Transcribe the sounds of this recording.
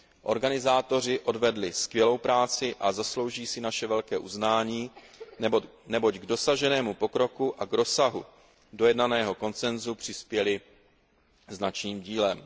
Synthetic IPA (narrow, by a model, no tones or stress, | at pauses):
ʔo̞̰ɾɡanɪzaːt̪o̞r̝ɪʔo̞dvɛdlɪskvjɛlo̞wpɾaːt͡sɪʔazaslo̞wʒiːsɪnaʃɛvɛlkɛːʔuznaːɲiː | nɛbo̞ɟɡdo̞saʒɛnɛːmupo̞kɾo̞kuʔaɡɾo̞saɦu | dojɛdnanɛːɦo̞ko̞nt͡sɛnzupr̥ɪspjɛlɪ | znat͡ʃniːmɟiːlɛm